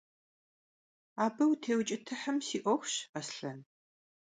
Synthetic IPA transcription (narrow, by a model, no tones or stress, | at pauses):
aːbɐwtʰeːwt͡ʃʼɪtʰɨħəmsiːʔʷɔxʷɕɐsɬɐn